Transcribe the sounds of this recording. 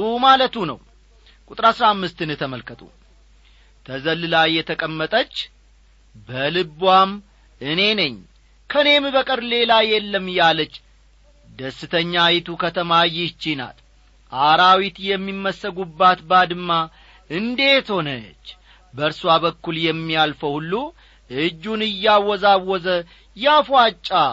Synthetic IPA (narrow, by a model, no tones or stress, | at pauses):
umalət̪unə̰w | kʼut̪ʼɾasɾamːɨst̪ɨnt̪ʰəməlkət̪ʼṵ | t̪ʰəzəlːɨlajːɛt̪ʰəkʼəmːət̪ʼət͡ʃː | bəlɨbwam | ɨne̞nəɲː | kʰəne̞mbəkʼɨɾle̞lajɛlːəmjalət͡ʃː | d̪əsːɨt̪ʰəɲːajɪt̪ʰukʰət̪ʰəmajɪt͡ʃːina̰t̪ | ʔaɾawit̪jɛmːimːəsːəɡubːat̪bad̪ɨma | ɨnd̪e̞t̪ho̞nə̰t͡ʃː | bəɾsuabəkːuljɛmːialfəwhulːu | ʔɨd͡ʒːunɨjːawɔzawɔzə | jafat͡ʃʼːa